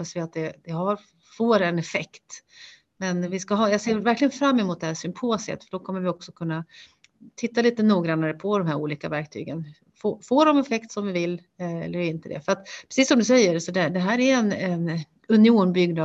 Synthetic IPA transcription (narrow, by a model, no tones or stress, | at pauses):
pːasvɪat̪̚d̪ɛd̪̥ɛɦaɾ | foːɾɛnɛfɛkt̪ | mɛnvɪskaɦɑːjɑːɡseːvæɾklɪɡənfɾamːɛmuːt̪̚d̪ɛhæːʂʏmpʰoːsə̰t̪fœɖɔkʰɔmːəɾvɪɔksɔkʰɵnːa | t̪ʰɪt̪ːaliːt̪ənuːɡɾanːaɾəpʰɔd̪ɔmhæɾṵːliːkavæɾk̚t̪ʰy̰ːɡən | fofoːɖɔmɛfɛkt̪sɔmvɪvɪlː | ɛɛ̰lːəɾɪnt̪əd̪ɛ̰fœɾat̪pʰɾɛ̥siːsːɔmd̪ɵs̬ɛjːəɾsɔd̪ɛd̪ɛɦæːɾæɛnɛn | ɵnɪuːnbʏɡna